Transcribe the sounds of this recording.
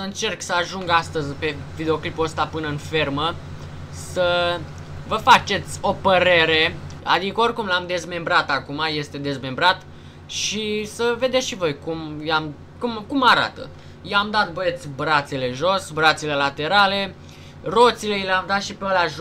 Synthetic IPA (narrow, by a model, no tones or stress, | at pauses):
əɨnt͡ʃe̞rksəaʒuŋɡast̪əzʲpe̞vid̪eo̞klipuəst̪apɨnəɨnfe̞rmə | sə | vəfat͡ʃe̞t̪sʲo̞pəɾe̞ɾe̞a̰d̪ikəo̞rkumlamd̪e̞zme̞mbɾat̪akumaje̞st̪e̞d̪e̞zme̞mbɾat̪ | ʃisəve̞d̪eʃivo̞jkumjam | kumkumaɾa̰t̪ə̰ | jamd̪at̪̚bet̪sʲbɾat̪sele̞ʒosbɾat̪sele̞lat̪e̞ɾale̞ | ro̞t̪sile̞jileamd̪at̪ʃipeolaʒ